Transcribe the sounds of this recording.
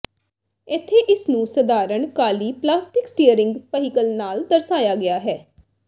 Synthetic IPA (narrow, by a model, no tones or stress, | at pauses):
ɪt̪ʰːeːʔɪsnũːsəd̪aːɾəɳkaːliːplaːsʈɪksʈiːəɾɪ̃ŋɡpəɦɪkəlnaːld̪əɾsaːjaːɡɪaːɦɛː